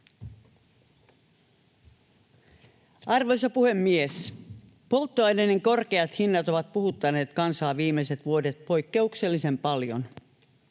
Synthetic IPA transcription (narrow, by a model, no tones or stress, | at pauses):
ɑrʋo̞jsɑpuhe̞mːies | po̞lt̪ːoɑjdeneŋko̞rkeɑt̪hinːɑt̪o̞ʋɑt̪̚puhut̪ːɑne̞ːt̪kɑnsɑːʋiːmːese̞t̪ʋuo̞det̪̚po̞jkːe̞ukse̞lːise̞mpɑljo̞̰n